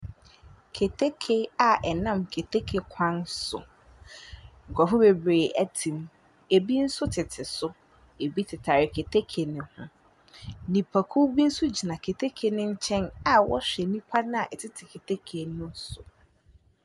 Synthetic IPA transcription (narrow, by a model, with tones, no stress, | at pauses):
kʰe˨tʰe˦kʰe˦a˨ʔɛ˨nã˦˨mkʰe˨tʰe˦kʰe˨kʰã˦nsʊ̰˨ | ŋ̩˨kʰɔ˨fʊ˦be˨bɾeː˨æ˨tʰĩ˨m | e˨bi˦n̩˦sʊ˦tʰɪ˨tʰɪ˨sʊ˦ | e˨bi˦tʰɪ˨tʰa˨ɾɪ˨kʰe˨tʰe˦kʰe˨nɪ̃˨hʊ̰̃˦ | nĩ˨pʰa˨kʰu˦bi˦n̩˦sʊ˦d͡ʑi˨nã˨kʰe˨tʰe˦kʰe˨nɪ̃˦ɲ̩˦t͡ɕʰɛ̃˦na˨wɔ̰˦ɕᶣɛ˨nĩ˦pʰa˦nʊ̃˦a˨ʔɛ˨tʰɪ˦tʰɪ˨kʰe˨tʰe˦kʰe˨nʊ̃˦sʊ˨